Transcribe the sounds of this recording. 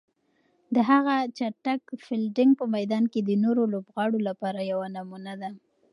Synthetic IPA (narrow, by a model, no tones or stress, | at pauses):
d̪əɦaɣat͡ʃaʈakfɪlɖɪŋɡ̚pəmajd̪ɑnked̪ənoɾolobɣɑɽolapɑɾajawanamunad̪a